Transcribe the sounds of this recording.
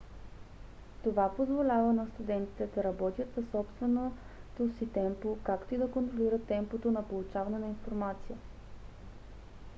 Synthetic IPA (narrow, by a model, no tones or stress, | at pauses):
t̪ovapozvolʲavənɐst̪ud̪ɛnt̪i̥t̪ɛd̪ɐɾɐbɔt̪ʲjət̪sɐsɔpst̪vɛno | t̪osit̪ɛmpokakt̪oid̪ɐkont̪ɾoliɾət̪ːɛmpot̪onɐpolˠut͡ʃavɐnɛnɐinfoɾmat̪sijə